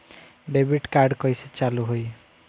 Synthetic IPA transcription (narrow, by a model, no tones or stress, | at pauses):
bebiʈkaɾɖkɔjsit͡ʃaluɦoj